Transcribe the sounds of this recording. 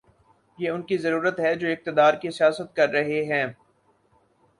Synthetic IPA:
jeːʊnkizɐɾuːɾət̪ɦɛd͡ʒoːɪk̚t̪ɪd̪aːɾkisijaːsət̪̚kɐɾːɐɦeɦɛ̃ː

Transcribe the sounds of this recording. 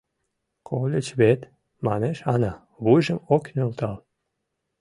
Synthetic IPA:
kʰolʲet͡ɕβet̪ | mɑneʃɑnɑ | βujʒə̆moknʲølt̪ɑl

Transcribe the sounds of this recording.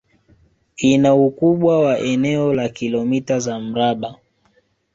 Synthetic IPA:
inaukuɓwawaʔɛnɛɔlakilɔmitazam̩ɾaɓa

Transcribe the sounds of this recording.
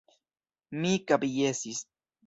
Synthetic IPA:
mikabijesis

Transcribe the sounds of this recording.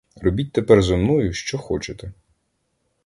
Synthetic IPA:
rɔbʲit̚ʲt̪epɛrzɔmnɔjʊʃt͡ʃɔxɔt͡ʃet̪ɛ

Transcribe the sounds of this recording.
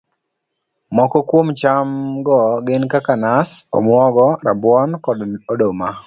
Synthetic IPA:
mɔkɔkwomt͡ʃamɡɔɡɪnkakanasɔ̰mwɔɡɔɾabwɔnkɔdodoma

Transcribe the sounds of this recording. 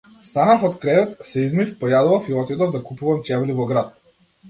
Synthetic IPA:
st̪anafɔt̪kɾɛvɛt̪sɛizmifpɔjad̪uvafiɔt̪id̪ɔvd̪akupuvamt͡ʃɛvlivɔɡɾat̪̚

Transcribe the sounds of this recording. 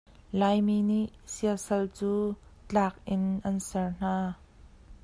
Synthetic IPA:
lajmiːniʔsiəlsɐlt͡suːt͡ɬaːk̚ʔɪnʔɐnsɛrn̥aː

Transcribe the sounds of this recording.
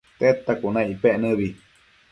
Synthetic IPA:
t̪et̪akunãipeʔnɨ̃βi

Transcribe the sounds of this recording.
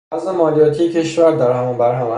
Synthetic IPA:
æzemɒːlijɒːt̪ʰijecʰe̞ʃvæɾd̪æɾɦæmunbæɾɦæmæ

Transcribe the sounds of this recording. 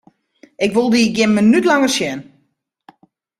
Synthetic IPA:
ʔɪkʋolˠdiːɡjɪnmənytlaŋərsjɛn

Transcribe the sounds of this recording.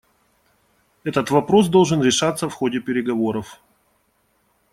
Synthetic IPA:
ɛt̪ət̪vɐpɾo̞s̬d̪o̞lˠʐɨnɾʲɪʂat̪səfxo̞dʲɪpʲɪɾʲɪɡɐvo̞ɾəf

